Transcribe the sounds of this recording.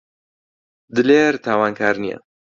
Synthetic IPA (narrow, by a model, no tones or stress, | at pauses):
d̪ɨleːɾt̪ʰaːwaːnkʰaːɾnijɐ̰